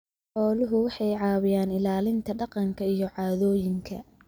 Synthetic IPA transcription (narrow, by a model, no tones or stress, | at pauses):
ħɔːlʊɦʊwɑħɑjʕɑːβɪjaːnɪlaːlɪnt̪ʰɐɖɑqɑŋkʰɐijɞʕɑːðɔːjɪŋkʰɐ̰